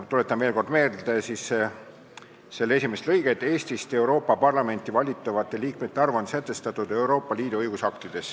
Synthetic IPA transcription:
t̪ulet̪ːˑɑnvelko̞rd̪me̞ːd̪̥esis | se̞lːesʲimest̪lɤjɡ̥e̞t̪ːˑe̞ːsʲt̪ist̪e̞uɾo̞ːpːˑɑpɑrlɑme̞nt̪ːˑivɑlʲit̪ːˑɑvɑt̪ˑːe̞liːk̚me̞t̪ːeɑrvonsæt̪ːˑe̞st̪ɑt̪ːˑud̪e̞wɾo̞ːpːˑɑliːd̪uɤjɡusɑkt̪id̪̥e̞s

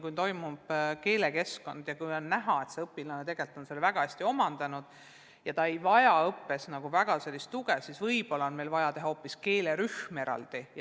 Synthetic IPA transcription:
kujnt̪o̞jmub̥ke̞ːle̞ke̞sko̞̰nd̪̥jɑkujonnæɦɑe̞t̪se̞ɤpːˑilɑnet̪e̞ɡ̥e̞lt̪ːˑo̞nselvæɡ̥ɑæsʲt̪io̞mɑnd̪ɑnud̪̥ | jɑt̪ɑe̞jvɑjɑɤpːe̞snɑɡ̥uvæɡ̥ɑse̞lːist̪ːuɡ̥ɛsisvɤjb̥o̞lːɑonme̞lvɑjɑt̪eɦɑo̞ːpːiske̞ːle̞ɾyhmeɾɑ̰ld̪̥ij

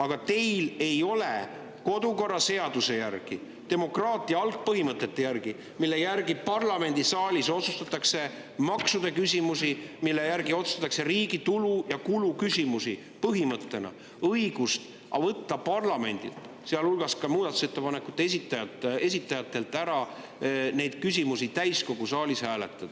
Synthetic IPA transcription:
ɑɡ̥ɑt̪e̞jle̞jo̞le̞ | ko̞d̪uko̞rːɑse̞ɑd̪̥use̞jærɡ̥i | t̪e̞mo̞krɑːt̪ˑiɑɑlt̪̚pɤɦimɤt̪ːˑe̞t̪ːe̞jærɡ̥i | milːe̞jærɡipɑrlɑme̞nʲd̪̥isɑːlʲiso̞t̪sust̪ɑt̪ːˑɑkse̞ | mɑksud̪̥ekys̬ʲimusimilːe̞jæɾɡio̞t̪su̥st̪ɑt̪ːˑɑkse̞ɾiːɡ̥it̪ulujɑkulukysʲimusi | pɤɦimɤt̪ːe̞nɑ̰ | ɤjɡ̥ust̪ | ɑ̰vɤt̪ːɑpɑrlɑme̞̰nʲd̪̥ḭlt̪ˑ | seɑlulɡ̥ɑskɑmuːd̪ɑt̪ːˑu̥set̪ːe̞pɑnekːˑut̪ːˑeesit̪ːˑɑjɑt̪e̞sʲit̪ːˑɑjɑt̪ːˑe̞lt̪ːˑæɾɑ | ne̞jd̪̥kys̬ʲimusit̪æjsko̞ɡ̥usɑːlʲishæːle̞̰t̪ːˑɑd̪̥

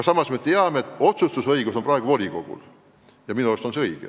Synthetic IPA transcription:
kɑsɑmɑsme̞t̪eɑmeet̪ːo̞t̪sust̪usɤjɡuso̞nprɑeɡ̥uvo̞lʲiko̞̰ɡ̥ṵl | jɑminuost̪onseɤjɡ̥e

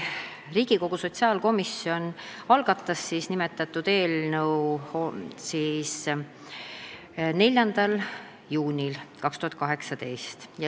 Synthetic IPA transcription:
riːɡ̥iko̞ɡ̥uso̞t̪ʲsiɑːlko̞misːjo̞nɑlɡ̥ɑt̪ːˑɑsːiːsnimet̪ːˑɑt̪ːˑud̪̥e̞ːlnəwhosiːs | ne̞lʲːjɑnd̪̥ɑl | juːnʲilkɑkst̪uhɑt̪̚ˑkɑɦe̞ksɑd̪e̞jst̪j

